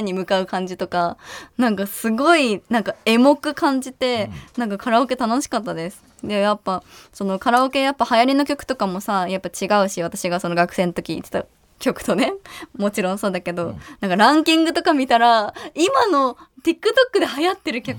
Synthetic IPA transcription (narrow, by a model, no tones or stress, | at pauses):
ɲ̟imɯ̟kaɯ̟kãɲ̟d͡ʑit̪o̞kanãŋkasɨɡo̞inãŋkae̞mo̞kɯ̟kʰãɲ̟d͡ʑit̪e̞nãŋkakʰaɾaoke̞t̪ano̞ɕi̥kat̪ːad̪e̞sɨ̥ | d̪ejapːaso̞no̞kaɾaoke̞japːahajaɾʲino̞kʲo̞kɯ̟t̪o̞kamo̞sajapːat͡ɕiɡaɯ̟ɕiβ̞at̪aɕiɡaso̞noɡakɯ̟̥sẽ̞not̪o̞kʲḭːt̪e̥t̪a | kʲo̞kɯ̟̥t̪o̞ne̞mo̞t͡ɕiɾõso̞ːd̪ake̞d̪o̞nãŋkaɾãŋkʲĩŋɡɯ̟t̪o̞kamʲit̪aɾaimano̞t̪ʲikːɯ̟t̪o̞kːɯ̟d̪e̞hajat̪ːe̞ɾɯ̟kʲak